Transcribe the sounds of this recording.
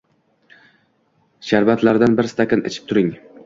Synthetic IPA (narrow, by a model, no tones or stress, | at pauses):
ʃaɾvat̪laɾd̪anbɪɾst̪ʰakʲanɪ̰t͡ʃʰɪ̥p̚t̪ʰʊɾɪŋ